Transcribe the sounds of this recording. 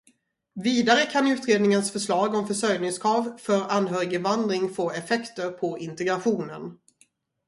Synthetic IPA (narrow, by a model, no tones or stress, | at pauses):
viːd̪aɾəkʰanʉ̟ːt̪ɾeːd̪nɪŋənsfœʂɭɑːɡɔmfœʂœjnɪŋskʰɾɑːvfœɾanːɦœːɾɪɡəvand̪ɾɪŋfoːɛfɛkt̪əɾpʰɔɪnt̪ɛɡɾaɧuːnən